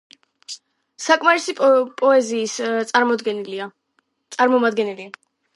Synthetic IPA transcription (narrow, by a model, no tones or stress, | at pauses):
sakʼmaɾisipʼɔɛziːst̪ʼad̪ɡɛa | t̪sʼaɾmɔmad̪ɡɛnɛlia